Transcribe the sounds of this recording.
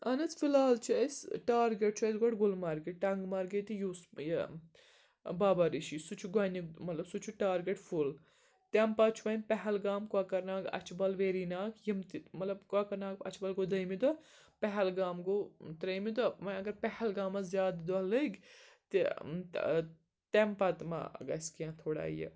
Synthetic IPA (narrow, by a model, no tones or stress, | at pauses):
ɐnɐt͡s̪filaːlt͡ʃʰɐjsʈaːɾɡeʈ̚t͡ʃʰɐjsɡɐʈɡʊlmɐɾɡeʈɐŋɡmɐɾɡɐt̪ijuːsj | baːbaɾiʃisut͡ʃʰuɡɐnimɐt̪lɐbsut͡ʃʰuʈaːɾɡeʈful | t̪ɛmpat͡ʃʰuʋɐnpɛɦɛlɡaːmkaːkɐɾnaːɡɐ̰t͡ʃʰbɐlʋeːɾiːnaːkʰjimt̪imɐt̪lɐbkakɐɾnaːk̚ɐ̰t͡ʃʰbɐlɡod̪ɐjmid̪ɐ | pɛɦɛlɡaːmɡot̪ɾɐjmid̪ɐmɐɐɡɐɾpɛhɛlɡaːmazjaːd̪d̪ɐləɡʲt̪i | t̪ɛmpɐt̪ma̰ɡɐskijãːt̪ʰoːɽa̰ːḭjɐ̰